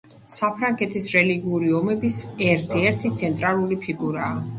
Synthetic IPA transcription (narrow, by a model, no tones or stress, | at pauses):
sapʰɾaŋɡɛt̪ʰisɾɛliɡiuɾiɔmɛbisɛɾt̪ʰiɛɾt̪ʰit̪sʰɛnt̪ʼɾalˠulipʰiɡuɾaː